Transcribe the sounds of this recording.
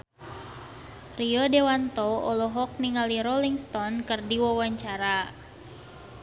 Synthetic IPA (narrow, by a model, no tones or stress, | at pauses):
riɔdewant̪ɔɔlɔɦɔk̚niŋaliɾɔliŋst̪ɔnkərdiwawaɲt͡ʃaɾa